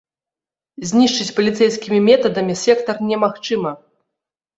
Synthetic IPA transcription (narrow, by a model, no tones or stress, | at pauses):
zʲnʲiʂt͡ʂɨt͡sʲpɐlʲit̪sɛjskʲimʲimʲɛt̪ɐd̪ɐmʲisʲɛkt̪ɐrnʲɛmaxt͡ʂɨmɐ